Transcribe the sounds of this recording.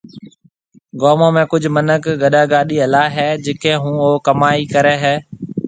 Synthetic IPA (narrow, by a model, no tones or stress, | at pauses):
ɡoːmõːmẽːkʊd͡ʒʱmənəkɡəɗaːɡaːɗiːəlaːɦɛːd͡ʒɪkẽːɦũːoːkəmaːiːkəɾeːɦɛː